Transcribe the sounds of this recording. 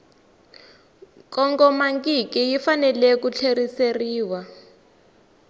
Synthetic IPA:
kʼɔŋɡɔmaŋkikijifanɛlɛkut͡ɬʰeriseriːwa

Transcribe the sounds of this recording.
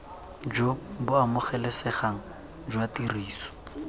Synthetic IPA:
d͡ʒobʊamʊχɛlɛsɛχaŋ̩ | d͡ʒwatiriːsɔ̥

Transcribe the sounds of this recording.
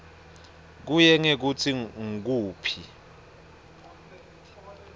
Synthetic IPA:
k̬ujɛŋek̬ut͡sʰiŋ̩k̬uːpʰi

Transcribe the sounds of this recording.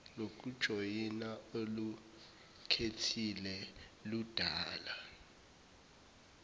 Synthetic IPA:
nok̬ud̥ʒ̥ʱojinaolu | kʰetʰilɛlud̥ʱaːla

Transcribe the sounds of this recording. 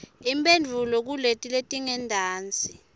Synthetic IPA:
impʼend͡ɮʱulɔk̬uletʼiletʼiŋɛndʱaːnt͡sʼi

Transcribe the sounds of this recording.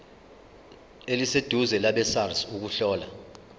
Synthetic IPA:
elised̥ʱuzɛlaɓɛsarsuk̬uɬɔːla̰

